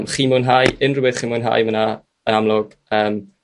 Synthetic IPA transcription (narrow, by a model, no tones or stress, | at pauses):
mχiːmʊːnɦaːjɪnrʊbɛθχiːmʊnɦa̰ːjməna | əñamlˠʊɡ̥ | əːm